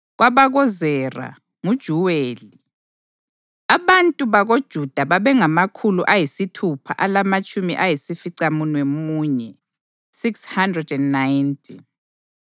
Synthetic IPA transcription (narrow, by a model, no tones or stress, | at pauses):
ɣwaβaɣɔzɛra̰ | ŋud̥ʒ̥ʱuweːli | aβantʼuβaɣod̥ʒ̥ʱud̥ʱaβaβɛŋamakʰuluʔajisitʰupʰa̰ʔalamat͡ʃʼumḭʔajisifiǀamunwemuːɲɛ | sikshandrɛdɛndnajntʼʰḭ